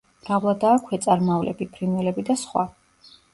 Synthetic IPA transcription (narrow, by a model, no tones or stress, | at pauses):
ɾavlˠad̪aːkʰɛt̪sʼaɾmavlɛ̰bipʰɾinwɛlɛbid̪asχwa